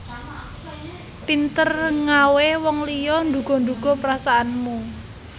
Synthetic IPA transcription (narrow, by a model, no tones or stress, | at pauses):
pint̪ərŋawewɔŋlijɔnd̪ṳɡ̥ɔ̤nd̪uɡ̥ɔ̤pəɾasaanmu